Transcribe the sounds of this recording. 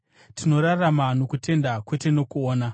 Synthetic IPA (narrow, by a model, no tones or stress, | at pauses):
tino̞ɾaramano̞kutʰe̞ndakwe̞te̞no̞kuoːna